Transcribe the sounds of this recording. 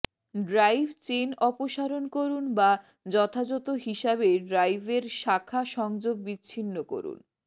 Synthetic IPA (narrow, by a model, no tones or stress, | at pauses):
ɖɾajbʱt͡ɕenɔpoʃaɾonkoɾunba | d͡ʑɔt̪ʰad͡ʑɔt̪oɦiʃabeɖɾajbʱeɾʃakʰːaʃɔŋd͡ʑob̚ːiːɕʰinːoko̰ɾṵn